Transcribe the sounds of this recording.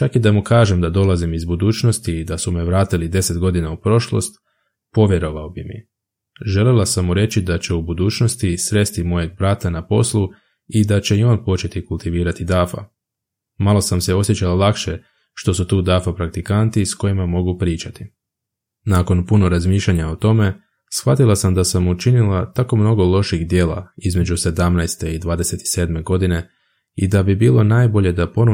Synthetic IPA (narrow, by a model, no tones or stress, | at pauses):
t͡ʃakid̪amukaːʒe̞md̪ad̪o̞lˠazimizbud̪uːt͡ʃno̞st̪iːd̪asumeʋɾaːt̪ilid̪e̞se̞t̪ɡo̞d̪inaupɾo̞ʃlo̰st̪ | po̞ʋjeɾo̞ʋaobimḭ | ʒe̞lelˠasamːuɾe̞t͡ɕid̪at͡ɕe̞ubud̪uːt͡ʃno̞st̪isɾe̞st̪imo̞je̞ɡ̚bɾat̪anapo̞̰slˠu | id̪at͡ɕe̞io̞ːnpo̞t͡ʃe̞t̪ikulˠt̪iʋiːɾat̪id̪afa̰ | malˠo̞samse̞o̞sjet͡ɕalalˠakʃe | ʃt̪o̞sut̪uːd̪afapɾak̚t̪ikant̪isko̞imamo̞ɡupɾiːt͡ɕat̪i̥ | nako̞npuno̞ɾazmiːʃlʎaɲaot̪o̞me̞ | sxʋat̪ilˠasamd̪asamut͡ʃinilˠat̪ako̞mno̞ɡo̞lˠo̞ʃiɣd̪je̞ːlˠa̰izme̞d͡ʒuse̞d̪amnajst̪e̞id̪ʋaːd̪e̞se̞t̪i̥se̞ːd̪me̞ɡo̞d̪ine̞ | id̪abibiːlˠo̞naːjbo̞ʎe̞d̪apo̞no